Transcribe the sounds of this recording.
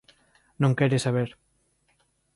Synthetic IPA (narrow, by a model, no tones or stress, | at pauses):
nõŋkɛɾɪsaβ̞eɾ